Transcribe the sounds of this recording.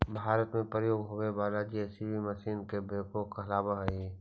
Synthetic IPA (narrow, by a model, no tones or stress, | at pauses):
bʱaːɾət̪mẽpɾəjoːɡɦoːɡebaːlad͡ʒiɛsibʱimɐsiːnkebeːkokkəɦlaːbaɦɐi